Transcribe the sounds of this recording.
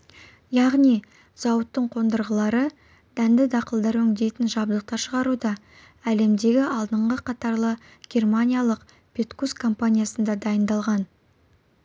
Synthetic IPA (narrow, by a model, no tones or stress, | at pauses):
jɑʁnij | z̥ɑwət̪ːəɴqʰo̞nd̪əɾʁəlˠɑɾə | d̪̥ænd̪ɪd̪ɑqəlˠd̪ɑɾwɵŋd̪e̞t̪ɪnʒɑb̚d̪əq̚t̪ɑʃəʁɑɾud̪ɑ | æle̞md̪e̞ɡʲɪɑlˠd̪əɴʁəqʰɑt̪ɑɾlˠə | ɡʲe̞rmanʲijalˠəq | pʰʲe̞t̪kuskʰːompanʲijasənd̪ɑd̪ɑjənd̪ɑlˠʁɑn